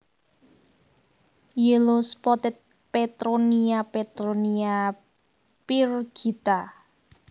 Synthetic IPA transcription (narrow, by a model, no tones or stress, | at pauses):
jəlospɔt̪ɪt̪̚ | pet̪ɾoniapet̪ɾonia | pirɡ̥it̪a